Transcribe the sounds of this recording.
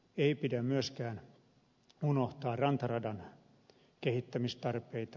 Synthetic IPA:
eipidæmyøskæːn | unoht̪ɑːrɑnt̪ɑrɑdɑn | kehit̪ːæmist̪ɑrpeit̪ɑ

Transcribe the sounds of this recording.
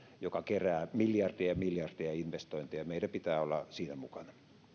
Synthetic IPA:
jokɑkeræːmiljɑrd̥iɑmiljɑrd̪̥iɑinʋest̪oint̪ijɑmeidæpit̪æːolːɑ̰siːnæmukɑnɑ

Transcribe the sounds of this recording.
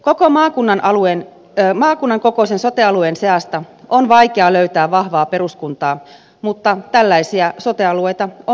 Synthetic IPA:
kokomɑːkunːɑnʔɑluen | mɑːkunːɑŋkoko̞senso̞t̪eɑluenseɑst̪ɑonʋɑikeɑløyt̪æːʋʋɑhʋɑːpe̞ɾuskunt̪ɑː | mut̪ːɑt̪ælːæisiɑsot̪eɑluejt̪ɑo

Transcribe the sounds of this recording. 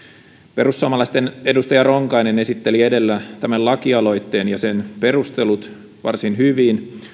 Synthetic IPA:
pe̞ɾusːuoɑmɑlɑst̪ene̞dust̪ɑjɑroŋkɑjne̞ne̞sit̪ːelie̞de̞lːæt̪æmælɑkiɑlo̞jt̪ːe̞ːnjɑse̞npe̞rust̪e̞lut̪ | ʋɑ̰rsinɦyʋiːn

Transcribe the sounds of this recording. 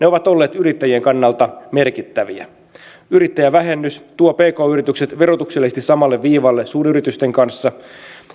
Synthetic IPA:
neo̞ʋɑt̪o̞lːe̞ːt̪yɾit̪ːæjie̞ŋkɑnːɑlt̪ɑme̞rkit̪ːæʋiæ̰ | yɾit̪ːæjæʋæɦe̞nːyst̪uope̞ːko̞ːyɾit̪ykse̞t̪ʋe̞ro̞t̪ukselːist̪isɑmɑlːeʋʋiːʋɑlːesuːnyɾit̪yst̪eŋkɑnsːɑ

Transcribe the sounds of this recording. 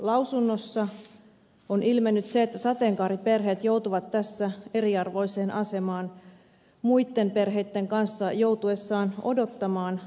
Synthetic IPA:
lɑwsunːosːɑ | onʔilmenːyt̪seet̪ːæsɑt̪eŋkɑːriperɦe̞ːt̪jowt̪uʋɑt̪ːæsːæe̞riɑrʋo̞jseːnʔɑse̞mɑːn | muit̪ːe̞mpe̞rɦe̞jt̪ːeŋkɑnsːɑjouwt̪ue̞sːɑːno̰do̞t̪ːɑmɑːn

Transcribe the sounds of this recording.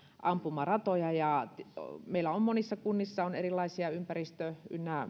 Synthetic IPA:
ʔɑmpumːɑrɑt̪ojɑjɑt̪meilæommonisːɑkunːisːɑonerilːɑisiɑympærist̪øy̰nːæ

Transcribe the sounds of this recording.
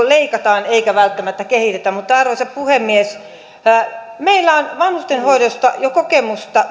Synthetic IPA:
leikɑt̪ɑːneikæʋælt̪ːæmæt̪ːækehit̪et̪æmut̪ːɑɑrʋosɑppuhemːies | meilːæonʋɑnhust̪enhoidost̪ɑ̰jokokemust̪ɑ

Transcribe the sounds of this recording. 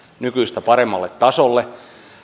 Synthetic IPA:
nykyist̪æpɑremːɑlːet̪t̪ɑsolːe

